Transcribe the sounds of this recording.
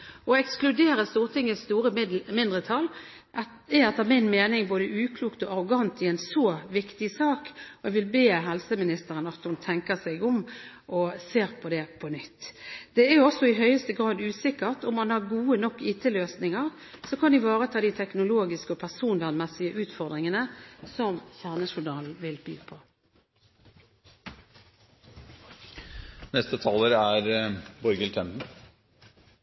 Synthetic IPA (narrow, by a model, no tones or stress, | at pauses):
ɔɛksklʉd̪eːɾəst̪uːʁt̪ʰɪŋːəst̪uːɾəmɪnd̪ʁət̪ʰɑl | ɛɛt̪ːəmɪnmeːnɪŋboːd̪əʔʉːkʰluːkt̪ɔɑʁʊɡɑnt̪ɪɛnsoʋɪkt̪ɪsɑːkɔɛɡʋɪlbeːɦɛlsəmɪnɪst̪əɾənɑt̪hʊnt̪ʰɛŋkəsɛɪɡʊm | ʔɔseːɾpʰɔd̪ɛpʰɔnʏt̪ːd̪̥ɛæjʊɔsːɔɪɦœʏəst̪əɡʁɑːd̪ʉːsɪkːəʁt̪ʊmːɑnhɑʁɡuːənɔkːiːt̪ʰəløːsnɪŋəʁ | sɔkʰɑnd̪ɪʋɑːʁət̪ʰɑːd̪ɪt̪ʰɛknʊloːɡɪskəɔpʰæʁsuːnʋæʁnmɛsɪəʔʉːt̪fɔʁd̪ʁɪŋənəsɔmçæʁnəʃʊnɑːl̩ʋɪlb̥y̰ːpʰɔ | nɛst̪ət̪ʰɑːləɾæɾbɔɾɡəlt̪ʰɛmd̪n̩